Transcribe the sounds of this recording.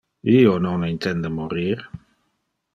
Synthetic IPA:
iːonoŋint̪ɛnd̪əmuɾiːɾ

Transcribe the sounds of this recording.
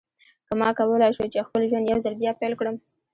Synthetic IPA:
kəmɑkawəlajʃət͡ʃexpəlʒwand̪jawzalbjɑpejlkɽəm

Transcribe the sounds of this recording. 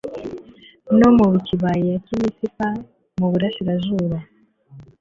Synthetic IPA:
nomuβuciβajiacimisipa | muβuɾaʃiɾaʒuːɾa

